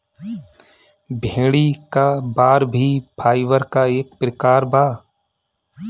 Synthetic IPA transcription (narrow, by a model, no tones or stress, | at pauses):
bʱeːɽikabaːɾbʱipʰaːiʋəɾkaeːk̚pɾɪkaːɾbaː